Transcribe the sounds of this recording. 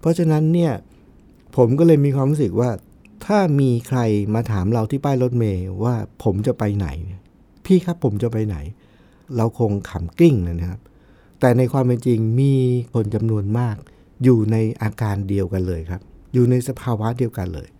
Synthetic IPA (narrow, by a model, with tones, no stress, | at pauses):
pʰɔ˦˥t͡ɕʰa˧na˦˥nːi˥˩ɐ | pʰo˩˦mkɔː˥˩lɤː˧jmiː˧kʰwaː˧mlu˦˥sɯ˨˩k̚waː˥˩ | t̪ʰaː˥˩miː˧kʰɾa˧jmaː˧t̪ʰaː˩˦mɾa˧wt̪ʰiː˥˩paː˥˩jɾo˦˥t̪̚meː˧waː˥˩pʰo˩˦mt͡ɕa˨˩pa˧jna̰˩˦jni˥˩ɐ | pʰiː˥˩kʰa˦˥pʰːo˩˦mt͡ɕa˨˩pa˧jna̰˩˦j | ɾa˧wkʰo˧ŋkʰa˨˩mkli˥˩ŋna˧˩na˦˥kʰa˦˥p̚ | t̪ɛː˨˩na˧jkʰwaː˧mpe˧nt͡ɕi˧ŋmiː˧kʰo˧nt͡ɕa˧mnu˧ənmaː˥˩k̚ | juː˨˩na˧jʔaː˧kaː˧ndi˧əwka˧nlɤː˧jkʰɾa˦˥p̚juː˨˩na˧jsa˧pʰaː˧wa˦˥di˧əwka˧nlɤ̰ː˧j